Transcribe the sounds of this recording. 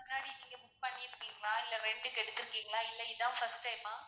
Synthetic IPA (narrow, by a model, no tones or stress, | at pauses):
ʊnːaːɽiniːŋɡɐmʊpɐɳːɪɪɾɯkːiːŋɡɐlaːɪlːɐɾɛɳɖɯkɛɽɯt̪ːɯɾɯkːiːŋɡɐlãːɪlːɐɪðãːfɐsʈɐɪmaː